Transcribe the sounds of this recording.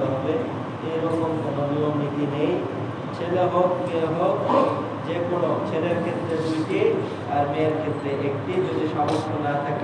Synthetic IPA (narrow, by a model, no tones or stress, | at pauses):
ɦɔbe | eɾɔkomkononiomnit̪inej | t͡ɕʰeleɦok̚ieɦok | d͡ʑekoɽ̃ot͡ɕʰeɾeɾkʰet̪ːɾed̪ujʈi | aɾmeeɾkʰet̪ːɾeʔek̚ʈid͡ʑod̪iʃɔmost̪onat̪ʰake